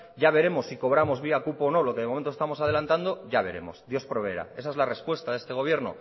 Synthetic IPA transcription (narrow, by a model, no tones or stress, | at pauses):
ɟ͡ʝaβe̞ɾe̞mo̞sːiko̞βɾamo̞zβiakupono̞lo̞ke̞ðmo̞ment̪ost̪amosað̞e̞lant̪and̪o̞ʝaβ̞e̞̰ɾe̞mo̞̰sd̪jo̞spɾoβeeɾa̰e̞sae̞zlare̞spwe̞st̪aðest̪e̞ɣ̞o̞βje̞ɾno̞̰